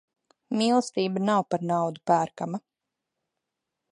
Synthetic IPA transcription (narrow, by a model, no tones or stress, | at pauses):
milˠst̪iːbanawpaɾnɑwd̪upæːɾkama